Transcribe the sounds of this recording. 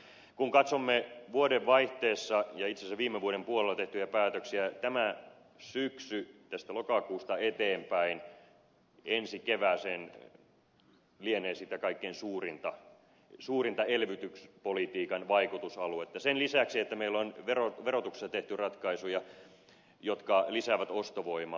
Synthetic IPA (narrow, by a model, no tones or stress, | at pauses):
kuŋkɑt̪somːeʋuodeʋʋɑiht̪eːsːɑjɑit̪sesæʋiːmːeʋuoɾempuolelːˑɑt̪eht̪yjæpæːt̪øksiæt̪æmæ | syksyt̪æst̪ælokɑkuːst̪ɑet̪eːmpæin | ensikeʋæːseːn | lieneːsit̪ækɑikːeːnsuːrint̪ɑ | suːrint̪ɑelʋyt̪ykspolit̪iːkɑnʋɑikut̪usɑluet̪ːɑsenlisæksiet̪ːæmeilːonʋeroʋerot̪ukse̥sɑt̪eht̪yrɑt̪kɑisujɑ | jot̪kɑlisæʋæt̪ost̪oʋoimɑ